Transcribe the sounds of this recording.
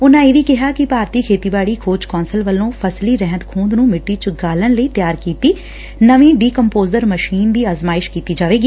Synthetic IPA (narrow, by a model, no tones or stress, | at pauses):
ʊnãːeːʋiːkɪɦaːkɪpaːɾt̪iːkʰeːt̪iːbaːɽiːkʰoːd͡ʒkɔ̃ːnsəlʋəlːõːpʰəsliːɾɛɦə̃nd̪kʰũːnd̪nũːmɪʈːiːt͡ʃɡaːləɳləiːt̪jaːɾkiːt̪iː | nəʋĩːɖiːkəmpoːzəɾməʃiːnd̪iːaːzmaːɪʃkiːt̪iːd͡ʒaːʋeːɡiː